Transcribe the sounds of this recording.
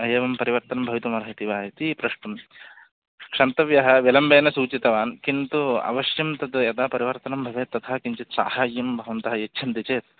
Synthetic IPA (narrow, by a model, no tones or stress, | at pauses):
ɐjeːʋɐmpɐɾiʋɐɾt̪ɐnɐmbʱɐʋit̪umɐɾɐɦit̪iʋaːɦit̪ipɾɐʂʈɐm | kʂɐnt̪ɐʋjɐɦɐ̆ʋilɐmbeːnɐsuːt͡ʃit̪ɐʋaːnkint̪uɐ̰ʋɐʃjɐmt̪ɐd̪jɐt̪aːpɐɾiʋɐɾt̪ɐnɐmbʱɐʋeːt̪ːɐt̪ʰaːkiɲt͡ʃit̪sa̰ːhaːjːɐmbʱɐʋɐnt̪ɐɦɐjetːʃʰɐnt̪it͡ʃeːt̪